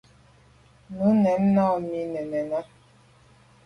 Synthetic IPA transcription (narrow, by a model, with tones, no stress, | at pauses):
nu˨˦nɛ˨˦mna˦˨mi˨nɛ˨nɛ˨na˦